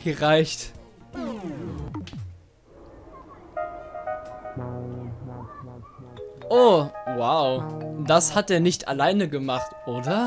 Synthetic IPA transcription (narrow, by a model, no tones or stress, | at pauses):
əʁaɪçt | ʔoːwaʊdashatdeːɐnɪçtʰa̰laɪnəɡəmaχtʔoːdɐ